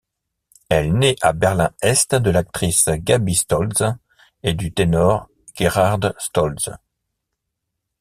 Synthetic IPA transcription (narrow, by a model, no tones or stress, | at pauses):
ɛlneʔabɛʁlɛ̰̃ɛst̪d̪əlak̚t̪χisɡabist̪ɔlz | ed̪yt̪enɔʁ | ɡ̥eʁaʁd̪st̪ɔlz